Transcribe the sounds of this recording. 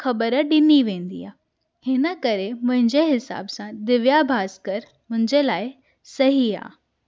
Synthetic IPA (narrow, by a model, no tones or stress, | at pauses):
xɐbəɾəɗɪniʋẽːnd̪ḭa̰ː | hɪnə̆kɐɾemʊ̃ɦɪ̃ɲd͡ʑeɦɪsa̰ːbsãd̪ɪʋjabʱaːskəɾ | mʊ̃ɦɪ̃ɲd͡ʑelaːɪ | sɐɦia̰ː